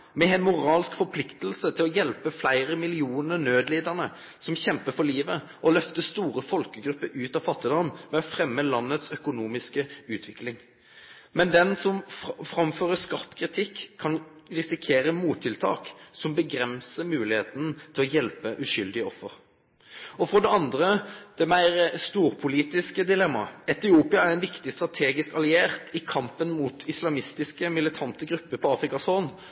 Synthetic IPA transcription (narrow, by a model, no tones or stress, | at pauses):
mɛɛɪnmʊʁɑːlskfɔɾpʰlɪkt̪əl̩sət̪ʰɪlɔjɛlpəflæɪʁəmɪlɪuːnəɾnøːd̪leːd̪əʁnə | sɔmçɛmpəfɔliːʋə | ʔɔlœft̪əst̪uːʁəfɔlkəɡɾʉpːəɾʉːt̪ɑːfɑt̪ːɪd̪ɑnmɛɔfʁɛmːəlɑnːət̪sœkʊnuːmɪskəʉːt̪ʰʋɪklɪŋ | mɛnd̪ɛnsɔmfʁɑmføːʁəskɑʁpkʰʁɪt̪ʰɪkʰːɑnʁɪsɪkʰeːɾəmuːt̪ʰːɪlt̪ʰɑ̰ːksɔmbəɡɾɛnsəmʉːlɪheːt̪ənt̪ʰɪlɔjɛlpəʔʉʃʏld̪ɪɔfːəɾ | ɔfʁɔd̪ɛɑnd̪ʁəd̪̥ɛmæɪʁst̪uːʁpʰʊliːt̪ɪskəd̪ɪlɛmːɑ̰ɛt̪ɪuːpɪɑæɾɛɪnʋɪkt̪ɪst̪ɾʁɑt̪ʰeːɡɪskɑlɪeːʁt̪ʰɪkʰɑmpənmuːt̪ʰɪslɑmɪst̪ɪskəmɪlɪt̪ʰɑnt̪əɡɾʉpːəpʰɔɑːfʁɪkɑsoːn